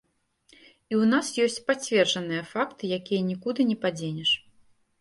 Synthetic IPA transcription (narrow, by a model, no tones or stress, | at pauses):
iwnasjɔsʲt͡sʲpat͡sʲvʲɛrʐɐnɨjɐfakt̪ɨjakʲijɐnʲikud̪ɨnʲɛpad͡zʲenʲɛʂ